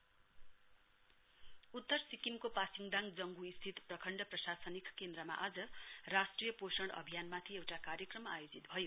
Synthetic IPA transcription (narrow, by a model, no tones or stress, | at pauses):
ut̪ːʌrsikimkopasiŋd̪aŋɡd͡zʌŋɡuist̪ʰit̪prʌkʰʌɳɖʌprʌsasʌnikkend̪rʌma̰ʔad͡zʌrasʈrijʌposʌɽ̃ʌ̰bʱijanmat̪ʰiewʈakaɾjekrʌmajod͡zit̪bʱʌjo